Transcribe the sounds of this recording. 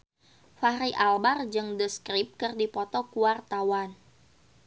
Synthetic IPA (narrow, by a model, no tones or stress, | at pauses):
faɾiʔalbard͡ʒɨŋdəskɾip̚kɨrdipɔt̪ɔkuwart̪awan